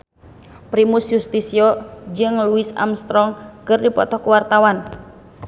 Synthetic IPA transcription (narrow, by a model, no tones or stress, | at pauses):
pɾimuʊsjust̪isiɔd͡ʒɨŋluɪsa̰mst̪ɾɔŋkɨrdipɔ̰t̪ɔkuwart̪awan